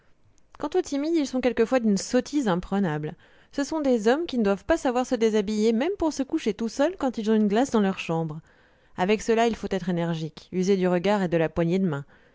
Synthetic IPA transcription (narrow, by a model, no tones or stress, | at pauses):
kɑ̃t̪ot̪imiilsɔ̃kʲɛlkəfwad̪ynsɔt̪ʰizɛ̃pχənabl | səsɔ̃d̪ezɔmkʲinəd̪wavpasavwaʁsəd̪ezabijemɛmpuʁsəkuʃet̪usœlkɑ̃t̪ilzɔ̃ynɡlasd̪ɑ̃lœʁʃɑ̃bʁ | avɛksəlailfot̪ɛt̪χenɛʁʒikyzed̪yʁəɡaʁed̪əlapwaɲed̪əmɛ̃